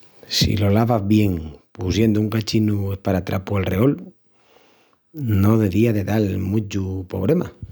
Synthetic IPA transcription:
sḭlo̞laβazβje̞ŋpusje̞nd̪ouŋkat͡ʃinuespaɾat̪ɾa̰pualreo̞l | no̞ðe̞βiaðe̞ðalmut͡ʃupo̞̰β̞ɾe̞ma

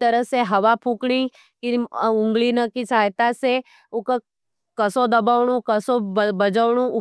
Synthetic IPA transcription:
t̪ɐɾəseɦɐʋapʰukɽ̃i | kiʊ̃ŋɡɭinəkisaːjt̪ase | ʊkə | kɐsod̪ɐbaʋɽ̃ũkəsobɐd͡ʒəʋɽ̃ũ

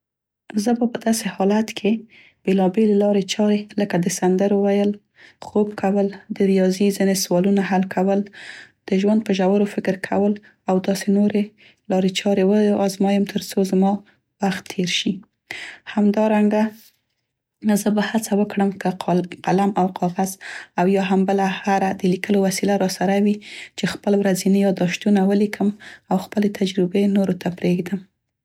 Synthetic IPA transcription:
zəbapəd̪ɑsehɑlat̪kʰe | b̥elɑbelelɑɾet͡ʃɑɾeləkad̪əsand̪əɾwəwajəl | xobkʰawəld̪əɾijɑzizineswɑlunaɦalkʰawəld̪̥əʒwand̪̚pəʒawəɾofɪkəɾkʰa̰wəl | awd̪ɑsenoɾe | lɑɾet͡ʃɑɾewəɑzmɑjəmt̪ʰəɾt͡sozmɑ | waxt̪ʰːeɾʃi | hamd̪ɑɾaŋɡa | zəbahat͡sawəkɽəmkəqalamawqʰɑɣazawjɑɦambəlahaɾad̪əlikəlowasilaɾɑsaɾawit͡ʃexpəlwɾazinijɑd̪ɑʃt̪unawəlikʰəmawxpəlet̪ʰad͡ʒɾɪbenoɾot̪ʰapɾeɡd̪əm

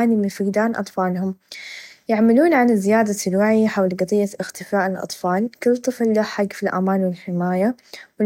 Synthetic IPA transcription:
nimɪnfɪɡd̪aːnʔɑ̰t̪ˤfɑːlhʊm | jaʕmaluːnʕanɪzːɪjaːd̪aɪlwaʕiħawlɡɑt̪ˤijːaʔɪxt̪ɪfaːʔɪlʔɑ̰t̪ˤfɑːlkʊlːt̪ˤːɨflːaħaɡfilʔa̰maːnwɪlħɪmaːjawɪ

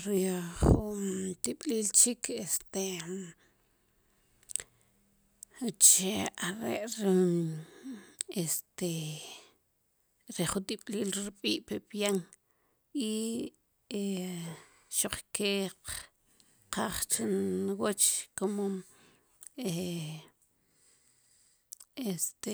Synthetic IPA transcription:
ɾiχunt̪iɓ̥liːlt͡ʃikʰest̪e | t͡ʃeaɾḛʔɾi | est̪e | ɾeχut̪ʼiɓ̥ʼliːlɾɓʼiːʔpepjaŋ | i | e | ʃoq͡χke | qaχt͡ʃinwot͡ʃkomom | e | est̪e

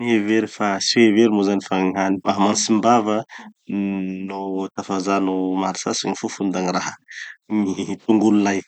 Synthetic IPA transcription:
ieveɾifasiweveɾimozanifaŋanmaɦmansimbavə | not̪afazanomaɾisasinifufund̪aniraɦəmit̪uŋɡululaj

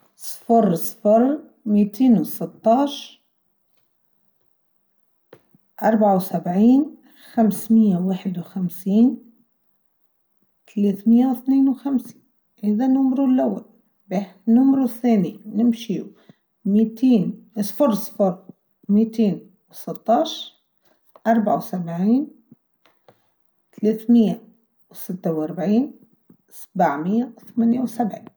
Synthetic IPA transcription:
sˤfɑɾˤsˤfɑɾˤ | miːt̪eːnwsɪt̪ːɑːʃ | ʔɑɾˤbʕawsabʕiːn | xamsmɪjːawaːħd̪wxamsiːn | t̪aleːt̪mɪjːawɪθneːnwxamsi̥ːn | heːðanʊmɾulʔawːa̰l | banʊmɾuθːæːninɪmʃi | miːt̪iːnsfʊɾˤsfʊɾˤ | mit̪eːn | wsɪt̪ˤːɑːʃɾ | ʔɑɾˤbaʕawsabʕiːn | t̪leːθmɪjːa | wsɪt̪ːawʔɑɾˤbʕiːn | sabaʕmɪjːawθmaːnjawsabʕḭːn

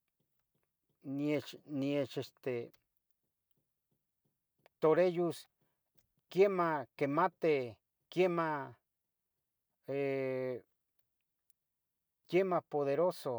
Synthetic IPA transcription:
niet͡ʃniet͡ʃest̪e | t̪oɾejus | kjemakemat̪e | kjema | e | kjemapoðeɾoso

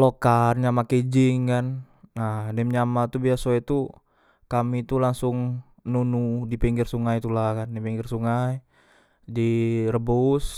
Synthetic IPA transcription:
lokarɲamaked͡ʒiŋkanː | adɛmɲamat̪ubiasoɛt̪u | kamit̪ulaŋsʊŋ | nunudipɛŋɡirsuŋajt̪ulahkandipɛŋɡɪrsuŋaj | dirəbus

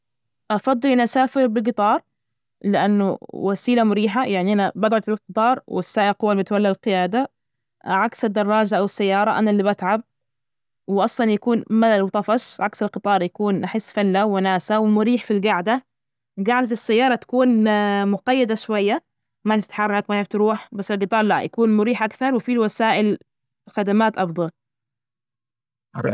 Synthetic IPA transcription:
ʔɑfɑd̪ˤːɨlʔanʔasaːfɪɾbɪlɡɨt̪ˤɑːɾˤ | lɪʔanːʊ̰wasiːlamʊɾiːħajʔaʕniʔanabad̪ʕʊt̪ɾuːfqɨt̪ˤɑːɾˤwɪsːaːʔɪqʊwːalbɪt̪walːalqɪjaːd̪a | ʕaksɪd̪ːɑrˤːɑːd͡ʒaʔawɪsːajːɑːɾˤɑʔanalːiːbat̪ʕab̚ | wɪʔɑsˤlɑnjakuːnmad̪alwt̪ˤɑfɑʃʕaksɪlqɨt̪ˤɑːɾˤjakuːnʔaħɪsːfalːawanaːsawɪmʊɾiːħfilɡaʕd̪a | ɡaʕd̪at̪ɪsːajːɑːɾˤɑt̪ḁkuːnmʊqɑjːɪd̪aʃwajːa | maft̪ħarˤɑakmaɪft̪ɾuːħbasːɪlɡɨt̪ˤɑːɾˤlajʔa̰kuːnmʊɾiːħʔakθɑɾˤwɪfiwasaːʔɪl | xad̪amaːt̪ʔɑfd̪ˤɑl

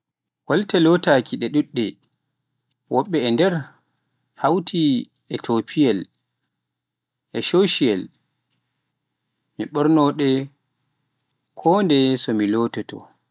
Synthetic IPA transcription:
waltɛlɔtakʰiɗɛɗuɗːɛ | wʔɔɓːɛːndɛɾ | hawtʰi | ɛtʰopʰiɛl | ʔɛʃoʃiɛl | miɓɔɾnɔɗɛ | kʰɔːndɛsɔmilɔtɔtɔ̰

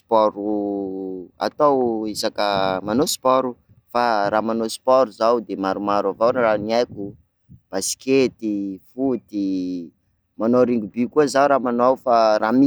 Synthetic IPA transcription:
spɔɾu | a̰t̪owizakəmanospɔɾu | faramanospɔɾuzawd̪emaɾumaɾavawnaraniajkʲu | b̥asi̥kʲet̪ifut̪i | manoɾiŋɡubikuəzawɾamanowfaɾami

